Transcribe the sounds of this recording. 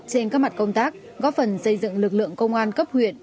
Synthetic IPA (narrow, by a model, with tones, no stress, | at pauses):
t͡ɕe˧nkaː˦˥k̚ma˨˩t̚kə˧wŋ͡mt̪aː˦˥k̚ | ɣɔ˨˦˥fə˨˩nsə˧jzɨ̰˧˨ŋlɨ˨˩k̚lɨ̰˧˨əŋkə˧wŋ͡mʔaː˧nkə˦˥p̚hwḭ˧˨ən